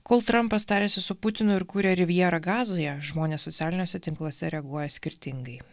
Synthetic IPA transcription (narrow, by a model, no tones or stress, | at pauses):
koːlˠt̪ɾɐmpɐst̪ɑːɾʲeːsʲɪsʊpʊt̪ʲɪnʊɪɾkuːɾʲɛɾʲɪʋʲiɛɾɐɡɑːzojɛʒmoːnʲeːsːɔt̪sʲæːlʲɪnʲoːsʲɛt̪ʲɪŋklˠoːsʲɛɾʲɛɐɡuɔjɛsʲkʲɪɾʲt̪ʲɪŋɡɐɪ